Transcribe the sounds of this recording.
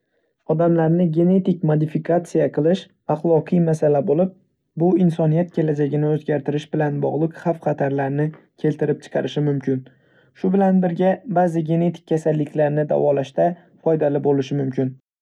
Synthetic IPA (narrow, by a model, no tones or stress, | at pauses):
ɒd̪amlaɾnɪɡʲe̞ne̞t̪ɪkʲmod̪ɪfikʰat̪sijaqʰɨlˠɪʃ | aχlˠɒqʰɨjmasalabolɪp̚ | bʊɪnsɒnijat̪̚kʲʰe̞lad͡ʒaɡʲɪnɪɵzɡʲaɾt̪ʰɪɾɪʃbɪlanbɒʁlˠɨqχafχɑt̪ʰaɾlaɾnɪ | kʲʰe̞lt̪ɪɾɪp̚t͡ʃʰɨ̥qʰɑɾɪʃɪmʊmkʲɪn | ʃʊbɪlanbɪɾɡʲabazɪɡʲe̞ne̞t̪ʰɪ̥k̚ʲkʰʲːasalːɪkʲlaɾnɪd̪a̰vɒlaʃt̪a | fɒjd̪alɪbolɪʃɪmʊmkʲɪn